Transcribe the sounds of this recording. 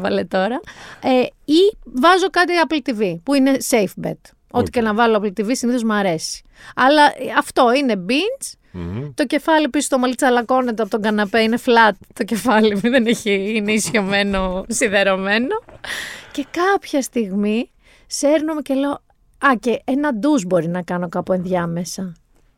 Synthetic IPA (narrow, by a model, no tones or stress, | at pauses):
vɐle̞t̪o̞ɾɐeivɐzo̞kɐt̪iɐplt̪ivipuine̞sejfbḛt̪ | o̞t̪i̥cenɐvɐloɐplt̪ivisiniθo̞zmɐɾe̞si̥ | ɐlɐʔɐft̪o̞ine̞bint͡s | t̪o̞ce̞fɐliepisi̥st̪omɐlit͡sɐlɐko̞net̪oɐpot̪oŋɡɐnɐpeine̞flɐt̪̚ːo̞ce̞fɐlimuðeneçiineisço̞me̞no̞sinðeɾo̞me̞no̞ce̞kɐpçɐst̪iɣmi | seɾnomeceleo | ɐce̞enɐd̪uzbo̞ɾinɐkɐno̞kɐpue̞nðʝɐme̞sɐ